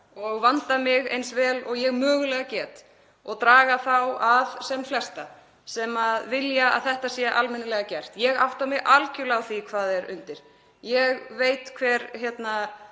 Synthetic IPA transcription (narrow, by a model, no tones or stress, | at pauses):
ɔɣvant̪amɪɣejnsvɛːlɔɣjɛɣmœːɣʏlɛɣacɛːt̪ | ɔɣt̪ɾaːɣaθawaðsɛmflɛst̪a | sɛmaðvɪljaa̰ðθɛht̪asjɛːa̰ʔalmɪnːɪlɛɣacɛr̥t̪jɛɣawht̪amɪɣʔalcʏlawθikʰvaːðɛɾʏ̰nt̪ɪɾ̥ | jɛɣveːjt̪kʰvɛɾçjɛt̪na